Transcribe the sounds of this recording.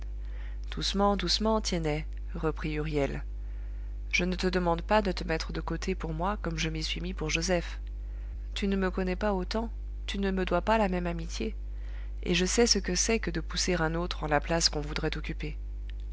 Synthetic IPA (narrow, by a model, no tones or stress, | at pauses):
d̪̥usmɑ̃d̪usmɑ̃t̪jɛnɛ | ʁəpχiyʁjɛl | ʒ̥ənət̪əd̪əmɑ̃d̪pad̪ət̪əmɛt̪χəd̪əkot̪ʰepuʁmwakɔmʒəmisɥimipuʁʒozɛf | t̪ynəməkɔnɛpaot̪ɑ̃ | t̪ynəməd̪wapalamɛmamit̪je | ḛʒəsɛsəkəsɛkəd̪əpuseʁɛ̃not̪χɑ̃laplaskɔ̃vud̪ʁɛt̪ɔkʲype